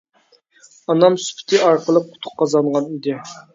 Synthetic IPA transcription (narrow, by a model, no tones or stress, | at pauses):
ɑnɑmsy̥pʰɪ̥t̪ʰɪɑɾqʰəlˠəp̚qʰʊ̥t̪ʰʊ̥qʰːɑzɑɴʁɑnid̪ɪ